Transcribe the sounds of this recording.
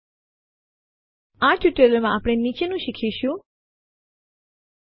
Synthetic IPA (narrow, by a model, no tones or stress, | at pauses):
aʈiʈeləɾmãaːpɽ̃enit͡ʃenũʃikʰiʃũ